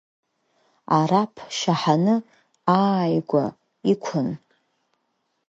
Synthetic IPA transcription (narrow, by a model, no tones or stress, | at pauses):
aɾapʰʃaħanɨ | aːjɡʷa | ikʷʰʊn